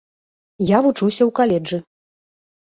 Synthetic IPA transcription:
javut͡ʂuwsʲɐwkalʲɛd͡ʐɨ

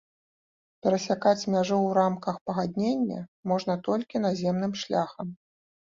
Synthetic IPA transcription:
pʲɛɾɐsʲakat͡sʲmʲaʐuwɾamkɐxpɐɣad̪ʲnʲenʲːɐ̰mɔʐnɐt̪ɔlʲkʲin̪azʲemn̪ɨmʂlʲaxɐm

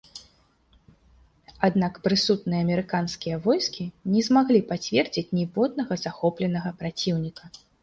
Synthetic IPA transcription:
ad̪nakpɾɨsut̪nɨjɐːmʲɛɾɨkanskʲijɐvɔjskʲinʲɛzmaɣlʲipat͡sʲvʲɛrd͡zʲit͡sʲnʲibɔd̪̚nɐɣɐzaxɔplʲɛnɐɣɐpɾat͡sʲiwnʲikɐ

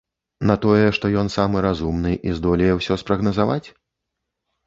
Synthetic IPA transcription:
nɐt̪ɔjɛʂt̪ɔjɔnsamɨɾazumnɨʔizd̪ɔlʲɛjɛwsʲɔspɾɐɣnɐzavat͡sʲ

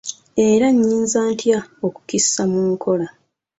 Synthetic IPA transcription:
e̞ɾaɲːiːnzaːntʰjaoku̥kisːamuːŋkʰo̞la

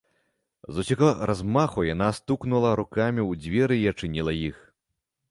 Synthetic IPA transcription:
zusʲaɣɔɾʔazmaxujanast̪uknulˠɐɾukamʲiwd͡zʲvʲɛɾɨːɐt͡ʂɨnʲilˠɐjix

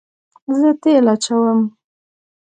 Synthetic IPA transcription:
zət̪elat͡ʃawəm

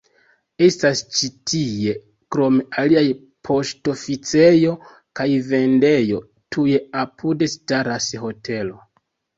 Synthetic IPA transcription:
e̞stast͡ʃitie̞ | kɾo̞mealiaj | pʰo̞ʃto̞fit͡sejo̞ | kajve̞nde̞jo̞ | tʰuje̞apʰude̞staɾasɦo̞tʰe̞lo̞

